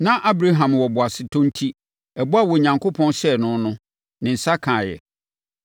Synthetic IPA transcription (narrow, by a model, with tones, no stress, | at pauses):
nã˦ʔa˦bɾa˦ɦã˨mwɔ˨bʊ˨a˨sɪ˨tʰɔ̃˦n̩˦tʰi˦ | ɛ˨bʊ˦a˦˨wɔ˨ɲã˨ŋkʰo˦pʰɔ̃˦nɕɛ˦nʊ̃˦nʊ̃˦ | nɪ̃˨n̩˨sa˦kʰãː˨jɛ̰˨